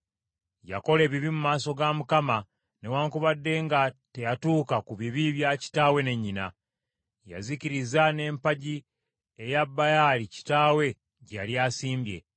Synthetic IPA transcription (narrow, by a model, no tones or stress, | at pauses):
ja̰ko̞le̞ːβiβimumaːso̞ɡamukama | ne̞waːŋkuβadːe̞ŋɡate̞jatuːkakuβiβiβjaci̥taːwe̞ne̞ɲːina | ja̰ziciɾizane̞ːmpaɟi | ejabːajalici̥taːwe̞ | ɟaljaːsiːmbje̞̰